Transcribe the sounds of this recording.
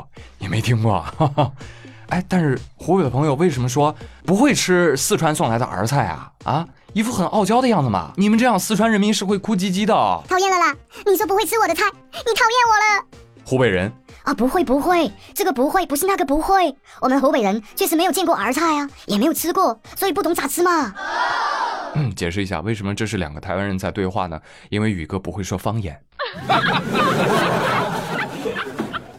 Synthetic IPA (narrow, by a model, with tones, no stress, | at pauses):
jɛ˨˩me˧˥ɪt̪ʰi˥ŋkwɔ̰˥˩ | a˥˩ɪt̪a˥˧nʂɻ̩˥˩xu˧˥pe˨˩ɪd̪ə˩pʰŋjo˧ʊwe˥˩ɪʂə˧˥mə˧ʂ̬wɔ˥pu˧˥xwe˥˧ɪʈ͡ʂʰɻ̩˥sɹ̩˥˧ʈ͡ʂʰwa˧˥nswɑ˥˩ŋla˧˥ɪd̪ə̰˧ʔə̰˞˧˥t͡sʰa˥˩ɪɐ̰˨˩ɐ̰˥˧ | i˧˥˩fu˥˩xə˨˩nʔɑ˥˩ʊt͡ɕjɑ˥ʊd̪ə˧jɑ˥˩ŋd͡z̩˩mɐ̰˩ni˨˩mə˦nʈ͡ʂɤ˥˧jɑ˥˧ŋsɹ̩˥˧ʈ͡ʂʰwa˥nɻə˧˥nmi˧˥nʂɻ̩˥˧xwe˥˧ɪkʰu˥t͡ɕi˥t͡ɕi˥d̪ə̰˨˩t̪ʰɑ˨˩ʊjɛ˥˩nlə˩lə˦ni˨˩ʂwɔ˥p̬u˧˥xwe˥˧t͡sʰɹ̩˥wɔ˨˩d̪ə˦t͡sʰa˥˩ɪni˧˥t̪ʰɑ˨˩ʊjɛ˥˩nwɔ˨˩lə˦ | xu˧˥pe˨˩ɪɻə̰˧˥nɐ˧˩pu˧˥xwe˥˩ɪpu˧˥xwe˥˩ɪʈ͡ʂɤ˥˩ɡə˩p̬u˧˥xwe˥˩ɪpʂ̩ɻ̩˥˧na˥˩ɡə˩pu˧˥xwe˥˩ɪ | wɔ˨˩mə˧˦nxo˧˥pe˨˩ɪə˧˥nt͡ɕʰɛ˥˩ʂɻ̩˧˥me˧˥ɪo˨˩ʊt͡ɕjɛ˥˧kwɔ˥˩ə˞˧˥t͡sʰa˥˩ɪɐ˩jɛ˨˩me˧˥jo˨˩ʊt͡sʰɹ̩˥kwɔ˥˩swɔ˧˥i˨˩p̬u˥˩t̪ʊ˧˥ŋt͡sa˨˩t͡sʰɹ̩˥mɐ˨ | n̩˥˩t͡ɕjɛ̰˨˩ʂɻ̩˥˩i˧˥ɕja̰˥˧we˥˩ɪʂə˧˥mə˧ʈ͡ʂɤ˥˧ʂɻ̩˥˩ljɑ˨˩ŋɡə˦t̪ʰa˧˥ɪwa˥nɻə˧˥nt͡sa˥˧ɪt̪we˥˧ɪxwa̰˥˩nə̰˩ | i˥nwe˥˩ɪy˨˩ɡə˥˧pu˧˥xwe˥˩ɪʂwɔ˥fɑ˥ŋjɛ̰˨˩˦n